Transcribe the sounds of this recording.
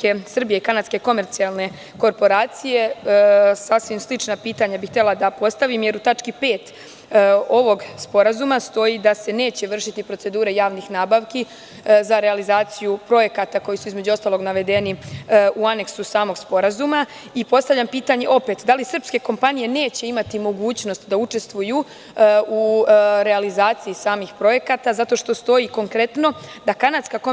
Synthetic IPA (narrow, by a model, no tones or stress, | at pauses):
ke̞sr̩bijeikanad̪ske̞ko̞me̞ɾt̪sijalˠne̞ | ko̞ɾpo̞ɾaːt̪sije̞ | sasʋimslit͡ʃnapiːt̪aɲabixt̪elad̪apo̞st̪aʋimje̞ɾut̪at͡ʃkipe̞ːt̪ | o̞ʋo̞ɡspo̞ɾazumast̪o̞jid̪ase̞ne̞ːt͡ɕe̞ʋr̩ʃit̪ipɾo̞t̪se̞d̪uːɾe̞jaːʋnixnaːbaʋki | zaɾealizaːt̪sijupɾo̞je̞kat̪ako̞jisuizme̞d͡ʒuo̞st̪alˠo̞ɡnaʋe̞d̪e̞niuane̞ksusaːmo̞ɡspo̞ɾazuma | ipo̞st̪aʋʎʲampiːt̪aɲe̞ʔo̞pe̞t̪d̪alisr̩pske̞ko̞mpanije̞ne̞ːt͡ɕe̞imat̪imo̞ɡuːt͡ɕno̞st̪d̪aut͡ʃe̞st̪ʋuju | uɾe̞alizaːt̪sijisaːmixpɾo̞je̞kat̪azat̪o̞ʃt̪o̞st̪o̞jiko̞ŋkɾe̞t̪no̞d̪akanat̪skako